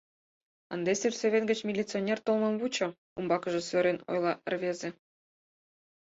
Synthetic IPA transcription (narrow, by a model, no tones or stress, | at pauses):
ə̰̆nd̪esʲyrseβʲenɡə̆t͡ɕmʲilʲit͡sɨonʲert̪olˠmɤ̆mvut͡ɕɤ̆ | umbɑkɤ̆ʒɤ̆søɾʲeno̰jlˠɑʔə̰̆rβezʲĕ